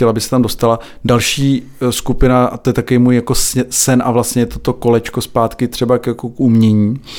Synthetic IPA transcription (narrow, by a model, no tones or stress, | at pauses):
ɛlabɪxsɛ̥t̪amdo̞st̪ala | dalʃiː | skupɪnaat̪ojɛt̪akoviːmuːjjako̞ssɛnʔavlast̪ɲɛjɛt̪ot̪o̞ko̞lɛt͡ʃkospaːt̪kɪt̪r̝̥ɛbakjakokumɲɛɲiː